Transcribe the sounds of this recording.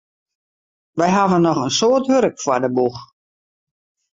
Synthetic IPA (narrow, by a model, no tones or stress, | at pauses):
ʋɛjɦavənːɔχənsoərtɦøɾəkfwadəbux